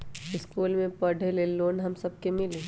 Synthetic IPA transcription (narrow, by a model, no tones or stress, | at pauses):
ɪskuːlmẽpɐɽʱeleloːnɦɐmsɐb̚kemɪleː